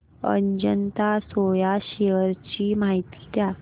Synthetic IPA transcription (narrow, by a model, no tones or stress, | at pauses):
ə̰ɲd͡ʑənt̪asojaɕeəɾt͡ɕiːmaɦit̪i̥t̪ja